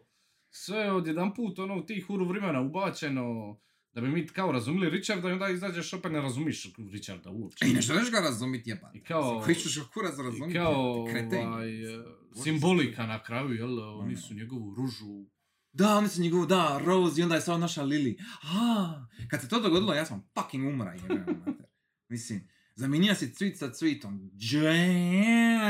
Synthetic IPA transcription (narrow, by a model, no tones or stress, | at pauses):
sʋe̞jeod̪jed̪ampuːt̪o̞no̞ːut̪iːxuɾuʋɾemenaubaːt͡ɕe̞no̞ | d̪abimiːkaoɾazumjelˠiɾit͡ʃaɾd̪aiond̪aːizaːd͡ʑe̞ʃo̞peːt̪neɾazumjiʃɾit͡ʃaɾd̪a̰uop̚t͡ʃeneʒeliʃɡaɾazumit̪ɲepa̰ikaokoit͡ʃuʃɡakʰuɾasɾazumkaoɾeaːj | simbolikanakɾaːjujelonisuɲeɡoʋuɾuʒu | d̪ao̞nisuɲeɡoʋud̪aɾo̞ːzio̞nd̪ajesamonaʃaliliakad̪set̪oːd̪oɡod̪ilojaːsamfakiŋɡumɾa̰iemat̪eɾ | mislim | zaminijasit̪sʋiːt̪sasʋiːt̪omd͡ʒe